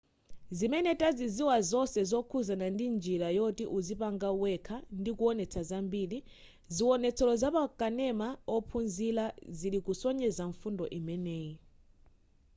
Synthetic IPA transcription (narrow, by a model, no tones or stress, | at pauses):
zimɛnɛtʼaziziwazɔsɛzɔkʰuzanandind͡ʒiɾajɔtiʔuzipaŋɡauwɛkʰandikuɔnɛt͡sʰazambiːli | ziwɔnɛt͡sʰɛlɔzapakʼanɛmaɔpʰunzilazilikusɔɲɛzaɱfundɔʔimɛnɛːi